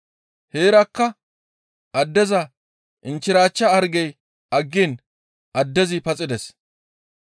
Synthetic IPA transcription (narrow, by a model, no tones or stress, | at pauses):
heːɾɐkːɐ | ʔɐd̪ːɛzɐ | ʔɪnt͡ʃːɪɾaːt͡ʃːɐɐɾɡɛj | ʔɐɡːin | ʔɐd̪ːɛzɪpɐt͡sʼɪd̪ɛs